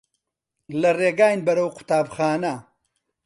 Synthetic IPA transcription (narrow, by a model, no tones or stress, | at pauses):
lɐreːɡaːjnbɐɾɐwqʰʊ̥t̪aːbxaːnɐ